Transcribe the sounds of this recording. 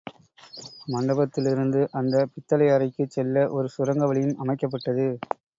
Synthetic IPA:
mɐɳɖɐbɐt̪ːɪlɪɾɯnd̪ɯʔɐnd̪ɐpɪt̪ːɐlɐjɐɾɐɪkːɯt͡ʃːɛlːɐʔɔɾɯsʊɾɐŋɡɐʋɐɭɪjɯmʔɐmɐɪkːɐp̬ːɐʈːɐðɯ

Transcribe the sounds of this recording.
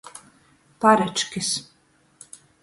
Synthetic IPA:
paɾɛt͡ʃkʲis

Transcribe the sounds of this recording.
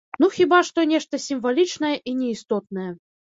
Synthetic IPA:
nuxʲibaʂt̪ɔnʲɛʂt̪ɐsʲimvalʲit͡ʂnɐjɛʔinʲɛist̪ɔt̪̚nɐjɛ

